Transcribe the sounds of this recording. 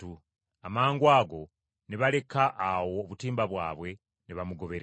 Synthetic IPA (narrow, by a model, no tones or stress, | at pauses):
u | amaːŋɡwaːɡo̞ | niβale̞kaʔːwo̞ːβutiːmbaβwa̰ːβwe̞ | niβamuɡo̞βe̞ɾ